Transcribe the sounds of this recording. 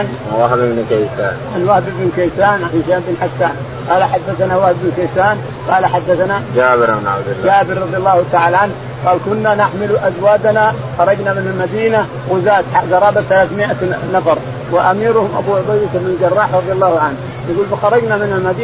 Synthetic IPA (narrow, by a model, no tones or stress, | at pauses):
n | waɦbɪbnkajsa̰ːnʕanwahbɪbɪnkajsaːnʕaniʃaːnbɪnħasːaːn | qɑːlaħad̪ːaθanawahbɪbɪnkajsaːn | qɑːlaħad̪ːaθanad͡ʒaːbɪɾɪbnʕa̰bd̪ɪlːd͡ʒaːbɪɾɾˤɑd̪ˤjɑlˤːɑːhʊt̪aʕaːlaʕanh | qɑːlkʊnːanaħmɪluʔazwaːd̪ana | xɑɾˤɑd͡ʒnamɪnalmad̪iːna | ɣʊzaːt̪ħaɣɑɾˤɑːbaθalaːθmɪʔanafɑɾˤ | wɪʔamiːɾʊhʊmʔa̰buːʕʊd̪ˤajːat̪ɪbnɪld͡ʒɑrˤːɑːħɾˤɑdðˤjɑlˤːɑːhʊʕanh | jaɡuːlbɪxɑɾˤɑɡnamɪnalmad̪iː